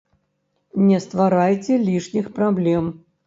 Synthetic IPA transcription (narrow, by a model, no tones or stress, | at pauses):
nʲɛst̪vaɾajt͡sʲɛlʲiʂnʲixpɾablʲɛm